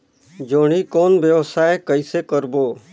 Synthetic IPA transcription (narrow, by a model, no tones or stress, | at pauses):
d͡ʒoːɽ̃ikoːnʋjəʋsaːekəisekəɾboː